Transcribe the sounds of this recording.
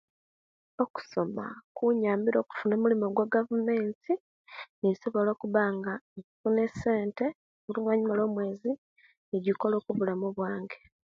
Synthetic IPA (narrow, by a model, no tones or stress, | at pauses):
o̞ku̥so̞ma̰kuɲaːmbiɾo̞ːku̥funoːmulimo̞ɡwaɡavume̞ːnti | niso̞βo̞lo̞ːkuβaːŋɡaeifune̞se̞ːnte̞ | βulumwaɲumalo̞ːmwe̞ːzi | niɟiko̞lo̞ːkuβulamuβwaːŋɡe̞̥